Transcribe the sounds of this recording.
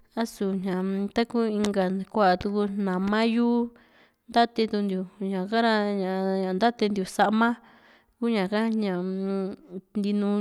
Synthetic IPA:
a˦su˨ɲɲã˨t̪a˦ku˦i˧ŋɡa˨kʷa˦ʔa˨t̪u˧ku˧nã˨mã˦juː˦ | nd̪a˦t̪e˧t̪u˧nd̪ju˨ɲã˨ka˦ɾa˧ɲã˨ɲã˨nd̪a˦t̪e˧nd̪ju˨sa˧ʔmã˦ | ku˦ɲã˨ka˦ɲã˨ | nd̪i˧nũ˧

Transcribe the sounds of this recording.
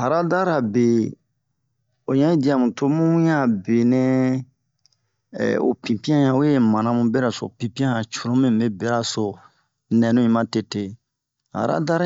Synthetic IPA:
ha˨ɾa˦da˦ɾa˨be˨ | o˨ɲã˦ĩ˦di˨˦a˨mũ˨to˦mũ˦jã˦˨be˨nɛ̃˦ | o̰˨pĩ˨pĩ˦ã˦jã˨u˦je˦mã˨nã˦mũ˦be˦ɾa˨so̰˨pĩ˨pĩ˦ã˦hã˨t͡ʃu˨ɾõ˦mẽ˦˨e˦be˦ɾa˦so˨ | nɛ̃˨nũ˦ĩ˦mã˦te˨te˨ | ha̰˨ɾa̰˦da˦ɾ

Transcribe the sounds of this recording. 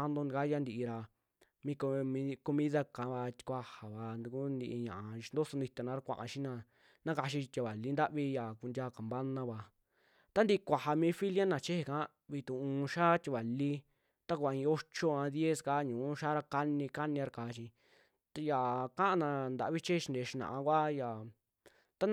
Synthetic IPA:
a˦nd̪õ˧ni˧ka˦ja˦nd̪i˧i˧ɾa˧ | mĩː˧ko˧mĩ˧˦ko˧mĩ˦ða˦˧kã˨˦βa˧t̪i̥˧kʷa˧ha˨βa˨˧nd̪u˧ku˦nd̪i˧ʔi˧ɲã˨ʔa˨˧ʃnd̪o˦so˧nd̪i˧t̪e˧nã˧ɾa˧kʷã̰˧ʔã̰˧ʃi˦nã˧ | nã˦ka˧ʃ̬i˧tʲa˧˨βa˨li˦nd̪a˦ʔβi˧ja˨ku˧ndʲaː˧ka˨mba˦nã˧βa˧ | t̪a˦nd̪i˧ʔkʷa˨ha˧mĩː˧˦fi˦lja˦nã˨t͡ʃe˦he˧kã˦ | βi˧t̪ũ˨ũː˨˧ʃa˦t̪ʲi˧βa˨li˦ | t̪a˦ku˧a˧ĩ˧o˦t͡ʃo˦˧ã˧ðje˦ska˧˦ɲũː˨˦ʃaː˦ɾa˧ka˦nĩ˧ka˦nĩ˧ɾa˧ka˨˧ʃĩ˧ | t̪ja˨kã˦ʔã˧nã˧nd̪a̰˧˨˧βi˦t͡ʃe˦hʃi˧nd̪e˨˧ʃi˧nã̰˨ã˧kʷa˦ja˨ | t̪a˦

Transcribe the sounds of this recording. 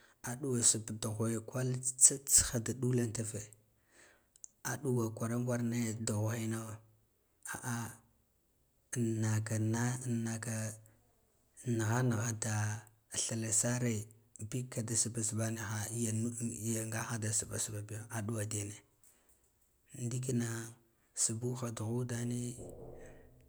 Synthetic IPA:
a˨ɗu˦wa˨su˨bda˨ɣo˨e˨kʷa˦lt͡sa˦t͡sxa˦da˨ɗu˦la˦nta˦ve˨ | a˨ɗu˦wa˨kʷa˨ɾa˦ŋɡʷa˦ɾne˦˨da˨ɣxa˦no˦˨ | a˨ʔa˦˨ | na˨ka˨na˦˨na˨ka˨ | na˨ɣa˦na˨ɣa˦da˨ | ɬa˨la˨sa˦ɾe˦bi˦kːa˨da˨su˨ba˨sba˦ne˨xa˨˦ja˨n˦ja˨ŋɡa˦xa˦da˨su˨ba̰˨sba˨bi˦jo˦˨a˨du˦wa˨de˨ne˨ | ndi˦ki˦na˨ | su˨bu˦xa˨du˨ɣu˦da˦ni˦

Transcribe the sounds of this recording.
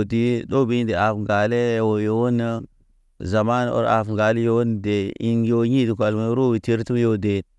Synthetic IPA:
ti˦ɗo˦bi˦nde˨a˨fɡa˨le˦˨wo˨jo˨˦wo˦nə˦ | za˨ma˦no̰˦ɾa̰˨fŋɡa˨li˦jo˦wo˦n˨de˨i˦njo˦ɲi˦di˨kʷa˨lma˨˦ɾo˦bi˨ti˦ɾti˦m˦jo˦de˨

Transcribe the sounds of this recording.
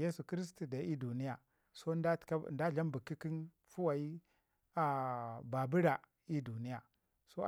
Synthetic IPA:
je˦su˨ki˦ɾi˦s̬tu˨da˨˦i˦du˨ni˦ja˨ | so˦ḁ˦˨ka˦˨nda˦ɮa˦mbu˨kːi˦ki˦n | fu˦wa˨i˦ | a˨ba˨bi˦ɾa˨ | i˦du˨ni˦ja˨ | so˦

